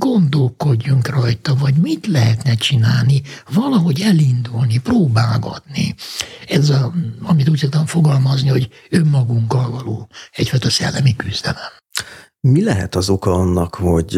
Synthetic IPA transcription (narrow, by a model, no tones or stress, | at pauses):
ɡ̥o̞nd̪o̞lko̞ɟːuŋkrɒjt̪ɒvɒɟmit̪lɛɦɛt̪nɛt͡ʃinaːlnivɒlɒɦo̞ɟɛlind̪ulniproːbaːɡɒ̰t̪nḭɛzɛɒmit̪uːcsok̚t̪ɔɱfo̞ɡɒlmɒzniho̞ɟ | ømːɒɡuŋkːɒlvɒloːɛcfɒjt̪ɒsɛ̰lːɛmikyzd̪ɛlɛm | milɛɦɛ̰t̪ɒzo̞kɒɒnːɒkho̞ɟ